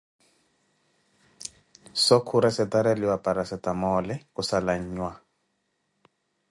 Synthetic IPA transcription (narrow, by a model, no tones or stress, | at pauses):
sɔkʰuɾasɛtaɾaliwapaɾasɛtamɔlɛkusalaɲ̩ːɲwa